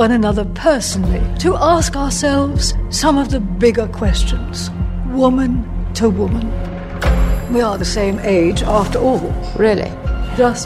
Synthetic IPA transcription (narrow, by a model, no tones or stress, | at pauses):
wʌ̃ñɨnʌðə˞pʰɜ˞sn̩l̩ˠiɾʰɨʔæskəə˞sɛlˠvz̥sʌ̃mʌvðɨbɪɡə˞kʰw̥ɛst͡ʃɨ̃nz̥ | wʊmɨ̃ntʰəwʊmə̃n | wiə˞ðɨsẽɪ̃meɪd͡ʒæftə˞ɔlˠɹɪlˠḭ̥d͡ʒʌs